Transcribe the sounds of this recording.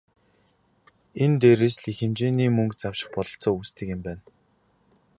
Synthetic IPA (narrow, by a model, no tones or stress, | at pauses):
ent̪eːɾeːsɮixɘ̆mt͡ɕeːniːmɵŋkt͡sawʃɪ̆χpɔɮɞ̆ɬt͡sɔːuːst̪ʰɘ̆kɪ̆mpæːn